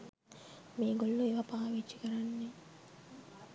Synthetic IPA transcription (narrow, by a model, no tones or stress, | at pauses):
meːɡolːueʋɐpaːʋeːt͡ʃːikɐɾɐnːe